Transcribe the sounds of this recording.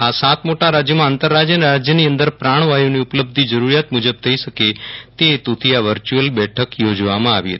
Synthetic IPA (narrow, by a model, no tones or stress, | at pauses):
asat̪moʈaɾad͡ʒjəmãant̪əɾːad͡ʒjənɾad͡ʒjəniənd̪əɾpɾaɳ̃ʋajoniupləb̚d̪ʱid͡ʒəɾuɾjat̪mud͡ʒəb̚t̪ʰəiʃəket̪et̪ut̪ʰiaʋəɾt͡ʃuəlbɛʈʰəkjod͡ʒʋamãaʋḭɦə̰t̪ː